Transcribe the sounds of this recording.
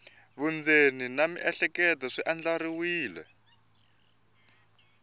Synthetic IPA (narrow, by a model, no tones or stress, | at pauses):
βund͡zeninamḭʔɛɬɛkɛtɔʂiʔand͡ɮaɾiwiːlɛ̰